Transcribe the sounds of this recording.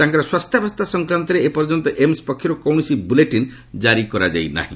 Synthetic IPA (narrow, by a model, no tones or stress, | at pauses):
t̪aŋkaɾɔswast̪ʰjabʱɔst̪ʰasɔŋkɾant̪ɔɾeepɔɾd͡ʒɔnt̪ɔʔemspɔkʰːjɔɾukowɳ̃sibuleʈin | d͡ʒaɾikɔɾad͡ʒa̰jna̰ɦḭ̃